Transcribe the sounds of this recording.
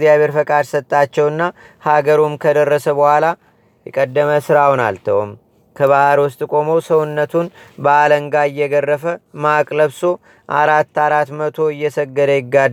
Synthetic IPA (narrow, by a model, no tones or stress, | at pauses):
zijaβe̞ɾfəkʼad̪sət̪ʼːat͡ʃːɛwɨnːa | haɡəɾumkʰəd̪ərːəsəbəhʷala | jɛkʼəd̪ːəməsɨɾawna̰lt̪ʰəwo̰m | kʰəβahaɾwʊst̪ʼkʼo̞mo̞səwʊnːət̪ʰunbəaləŋɡaɪjːɛɡərːəfəmakʼləβso̞ | ʔaɾat̪ːaɾat̪mət̪ʰo̞ɨjːɛsəɡːəd̪əjɪɡːad̪